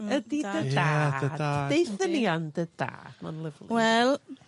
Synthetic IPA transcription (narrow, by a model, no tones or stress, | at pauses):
ədidədadədḁejsəniandəd̥a̰ːd̥ma̰nlˠɪvlˠwɛlˠ